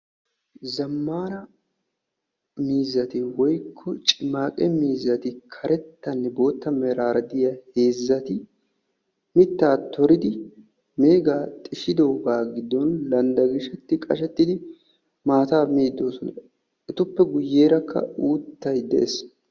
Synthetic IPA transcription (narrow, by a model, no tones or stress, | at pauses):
zɐmːaːnɐ | miːzːɐt̪ɪwɔjkʰːɔt͡ʃʼɪmaːkʼɛmiːzːɐt̪ɪkʰɐɾɛt̪ːɐnːɛbo̞ːt̪ːɐmɛɾaːɾɐd̪ɪjɐhe̞ːzːɐt̪ɪ | mɪt̪ːaːt̪ʰɔɾɪd̪ɪ | meːɡaːt̪ʼɪʃɪd̪o̞ːɡaːɡɪd̪ːɔnlɐnd̪ɐɡɪʃɛt̪ːɪkʼɐ̰ʃɛt̪ːɪd̪ɪ | maːt̪aːmeːd̪ːo̞ːsɔnɐ | ʔɛt̪ʊpːɛɡʊjːeːɾɐkʰːɐ̰uːt̪ːɐjd̪ɛ̰ʔes